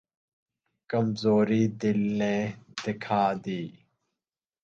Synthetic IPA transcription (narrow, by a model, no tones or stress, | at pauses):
kəmzoːɾiːd̪ɪlːẽːd̪̥ɪkʰaːd̪iː